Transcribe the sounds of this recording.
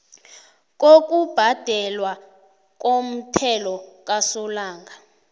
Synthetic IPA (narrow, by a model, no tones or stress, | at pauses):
k̬ok̬ʼub̥ʱad̥ʱɛlwa | k̬om̩tʰɛlɔk̬ʼasɔlaːŋɡʱa